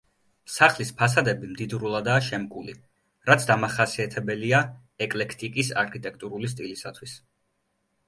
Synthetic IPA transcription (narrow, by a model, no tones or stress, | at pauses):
saχlispʰas̬ad̪ɛbimd̪id̪ɾulˠad̪aːʃɛmkʼulḭ | ɾat̪sʰd̪amaχasiat̪ʰɛbɛlia | ɛkʼlɛkʰt̪ʼikʼisa̰ɾkʰit̪ʼɛk̚ʰt̪ʼuɾulist̪ʼilisat̪ʰwis